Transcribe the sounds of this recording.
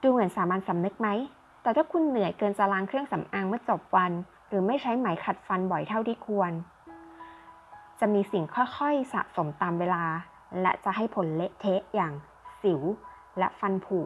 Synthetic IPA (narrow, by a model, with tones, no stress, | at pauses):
d̥uː˧mɯ˩˦ənsaː˩˦maː˧nsa˨˦mnɯ˦˥k̚ma˦˥j | t̪ɛː˨˩t̪ʰaː˥˩kʰu˧nːɯ˨˩˦əjkɤː˧nt͡ɕa˧laː˧ŋkʰɾɯ˥˩əŋsa˨˦mʔaː˧ŋmɯ˥˩ət͡ɕo˨˩p̚wa˧n | ɾɯː˩˦ma˥˩jt͡ɕʰa˦˥jmaː˩˦jkʰa˨˩t̪̚fa˧nbɔ˨˩jt̪ʰa˥˩wt̪ʰiː˥˩kʰu˧ən | t͡ɕa˨˩ʔmiː˧si˨˩ŋkʰɔ˥˩jkʰɔ˥˩jsa̰˨˩ʔso˩˦mt̪aː˧mweː˧laː˧ | lɛ̰˦˥t͡ɕa˨˩ʔɦa˥˩jpʰo˩˦nle˦˥ʔt̪ʰe˦˥ʔjaː˨˩ŋ | si˩˦w | lɛ˦˥ʔfa˧npʰuː˨˩k̚